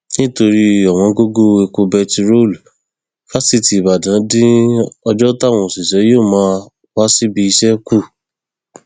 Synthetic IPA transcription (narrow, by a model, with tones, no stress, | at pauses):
nĩ˦to˧ɾi˧ɔ˨w̃ɔ̃˨˦ɡo˦ɡo˦e˧ku˧bɛ˧ti˧ɾo˦˨l | ka˦si˦˨ti˨ba˨dã˨˦dĩ˦ɔ˧d͡ʒɔ˦ta˦˨w̃ɔ̃˧˨si˨ʃɛ˨˦jo˦˨mãː˦ | wa˦si˦bi˧i˧ʃɛ˦ku˦˨